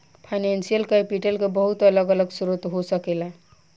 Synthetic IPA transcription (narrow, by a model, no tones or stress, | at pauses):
pʰajnensijəlkəpiʈəlkebəɦut̪ələɡələɡsuɾut̪ɦosəkela